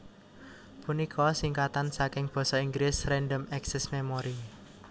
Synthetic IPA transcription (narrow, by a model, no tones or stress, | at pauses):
punikʰɔsiŋkat̪ansakɪŋb̥ɔ̤sɔiŋɡɾɪsrɛnɖəmɛksɛsmemɔɾi